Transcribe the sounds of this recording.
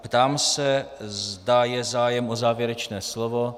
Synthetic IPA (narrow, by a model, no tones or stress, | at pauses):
pt̪aːmsɛzdajɛzaːjɛmʔozaːvjɛɾɛt͡ʃnɛːslovo̞